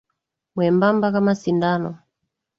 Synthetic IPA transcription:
mwɛmbambakamasindanɔ

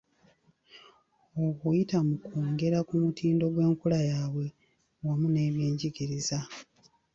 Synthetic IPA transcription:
okujitamukuːŋɡe̞ɾakumutʰiːndo̞ɡwe̞ːŋkulajaːβwe̞ | wamune̞ːβjiːɲɟiɡiɾiza

